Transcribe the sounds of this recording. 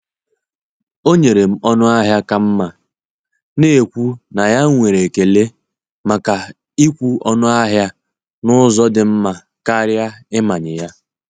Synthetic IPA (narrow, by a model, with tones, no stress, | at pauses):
o˦ɲe˨ɾe˨m̩˦ɔ˦nʊ˦a˦ɦja˦ka˨m̩˦ma˨ | ne˦˨kʷu˦na˨ja˦ŋʷe˨ɾe˨ke˨le˦ | ma˨ka˨ | i˦kʷu˦ɔ˦nʊ˦a˦ɦja˦ | nʊ˦zɔ˦dɪ˨m̩˦ma˨ | ka˦ɾja˦ɪ˦ma˨ɲɪ˨ja˦